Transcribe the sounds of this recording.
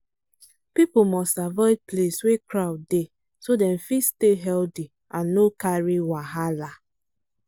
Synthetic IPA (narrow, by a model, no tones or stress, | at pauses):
pipomɔstavaɪvpleswekɾaʊdde | sodɛ̃nfisteɦɛlti | ãnːokaɹiwaɦala